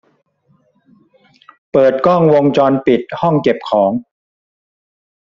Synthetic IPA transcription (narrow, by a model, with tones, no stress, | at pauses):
pɤː˨˩t̪̚kɔ˥˩ŋwo˧ŋt͡ɕɔː˧npi˨˩t̪̚hɔ˥˩ŋke˨˩p̚kʰɔː˩˦ŋ